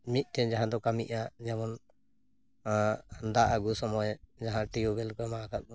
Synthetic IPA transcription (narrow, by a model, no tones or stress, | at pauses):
mit̪̚ˀt̪ɛd͡ʒaɦãd̪ɔkamiʔad͡ʒɛmɔn | and̪aʔaɡusɔmɔjd͡ʒaɦãʈijubɛlkɔjmaakat̪̚ˀbɔ